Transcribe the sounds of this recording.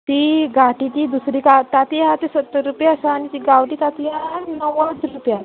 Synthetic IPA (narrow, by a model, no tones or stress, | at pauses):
t̪iɡʱaʈit̪id̪usɾikat̪at̪ijat̪esət̪ːəɾɾupjasaːnit̪iɡaʋʈit̪at̪ianinəʋat͡sɾupja